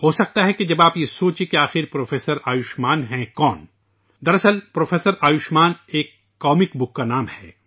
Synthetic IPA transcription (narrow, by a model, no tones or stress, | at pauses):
hoːsɐk̚t̪aɦɛked͡ʒɐbaːpjesoːt͡ʃẽkeaːxɪɾpɾoːfeːsəɾaːjʊʃmaːnɦɛ̃kɔːn | d̪ɐɾɐsəlpɾoːfʰeːsəɾaːjʊʃmaːneːkː | ɔːmɪkbʊkːanaːmhɛ̰ː